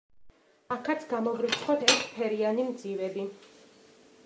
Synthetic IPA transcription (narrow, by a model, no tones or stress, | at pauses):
akʰat̪sʰɡamɔʁɾit̪sʰχɔt̪ʰɛɾt̪ʰpʰɛɾianimd̪zivɛbi